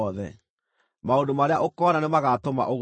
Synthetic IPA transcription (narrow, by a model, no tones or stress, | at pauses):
ðɛ̰ | maondomaɾeaʔokɔnanemaɣatoma̰ʔoɣ